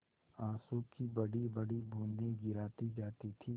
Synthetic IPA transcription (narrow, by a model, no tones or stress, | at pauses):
aːsuːkibɐɽibɐɽibʱõːnd̪ẽɡɪɾaːt̪id͡ʒaːt̪it̪ʰiː